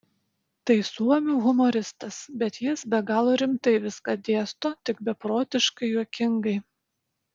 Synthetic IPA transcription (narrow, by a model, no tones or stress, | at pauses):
t̪ɐɪsuɔmʲuːɣʊmɔɾʲɪst̪ɐsbʲɛt̪jɪsbʲɛɡɑːlˠoːɾʲɪmt̪ɐɪʋʲɪskɑd̪ʲeɛst̪oːt̪ʲɪk̚bʲɛpɾoːt̪ʲɪʃkɐɪjuɔkʲɪŋɡɐɪ